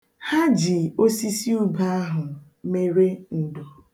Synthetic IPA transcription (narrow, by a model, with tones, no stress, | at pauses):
ha˦d͡ʒɪ˨o˦si˦si˦u˦ba˦a˦ɦʊ˨ | me˦ɾe˦n̩˨do˨